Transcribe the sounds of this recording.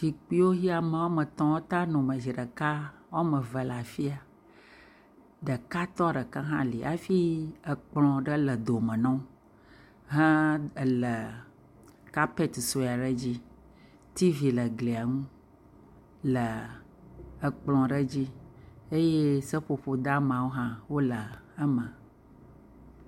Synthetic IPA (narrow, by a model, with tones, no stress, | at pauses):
ʃi˨k͡pi˦wo˦ɦi˦a˨mə˨˦wo˦mə̃˨t̪ɔ̃˨˦wo˦t̪a˦nɔ̃˨mə̃˨zi˨ɖə˨ka˦wo˦mə̃˨və˨la˨fi˦a˨ | ɖə˨ka˦t̪ɔ˦ɖə˨kã˦ɦã̰˦li˨ʔa˦fi˦ə˨k͡plɔ̃˨ɖə˦lə˨d̪o˨mə̃˨nɔ̃˦ | ɦɛ̃˦˨lə˨ | ka˦pe˦t̪so˨˦˨a˨ɖə˦d͡ʑi˦ | t̪i˦vi˨lə˨ɡle˨a˨ŋũ˦ | lə˨ | ə˨k͡plɔ̃˨ɖə˦d͡ʑi˦e˦je˦sə˦ɸo˨ɸo˨d̪a˦mã˨wo˦ɦã˦wo˦lə˨ə˦mə̃˨